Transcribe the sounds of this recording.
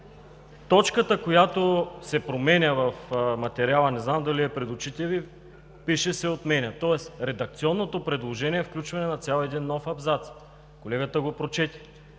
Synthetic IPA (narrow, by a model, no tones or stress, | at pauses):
t̪ɔt͡ʃkət̪əkojat̪osɛpɾomɛnʲəvɐfmɐt̪ɛɾialˠɐnɛznamd̪ɐliɛpɾɛd̪ʊt͡ʃit̪ʲɛvi | piʃɛsɛot̪mɛnʲɐt̪ɔɛsɾɛd̪ɐk̚t̪siɔnːot̪opɾɛd̪lˠoʒɛniɛfklʲut͡ʃvɐnɛnɐt̪sʲjalˠɛd̪inːɔfɐbzat̪s | kolɛɡət̪əɡopɾot͡ʃɛt̪ʲi̥